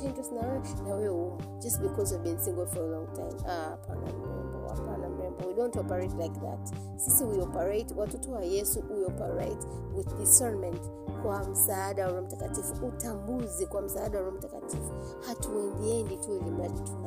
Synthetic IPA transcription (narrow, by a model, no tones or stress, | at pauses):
ẽntɹəsnaɹaʃnawɛw | d͡ʒʌstbikɔzavbĩnsĩŋɡl̩ˠfɔɹəlɔ̃ŋtʰã̰ɪ̃mapʰa̰nã̰mɹɛ̰̃mbɔ̰a̰pãnãmɹɛ̃mbɔwidõntɔpəɹeɪtlaɪk̚ða̰t | sisiwiɔpəɹeɪtwatutuajɛsuwiɔpəɹa̰ɪt | wɪðdisɛ˞mɛ̃nt | kʰwam̩saːdaɹɔ̃m̩takatifuʔutambuzikwam̩saadaɹɔ̃mtaka̰tʰifu | hatʰuɛ̃nðiɛ̃nditʰulimɛttʰuna